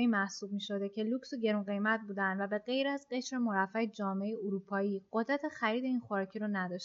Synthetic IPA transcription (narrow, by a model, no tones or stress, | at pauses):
iːmæhsuːb̚miːʃo̞d̪ecʰe̞luksuɟe̞ɾunɢe̞jmæt̪̚buːd̪ænd̪væbe̞ɣe̞jɾæzɢe̞ʃɾe̞mo̞ɾæfæed͡ʒɒːmeejeuɾupʰɒːiːɢo̞d̪ɾæt̪ʰexæɾiːd̪e̞inxoɾcʰiɾɔnæd̪ɒʃ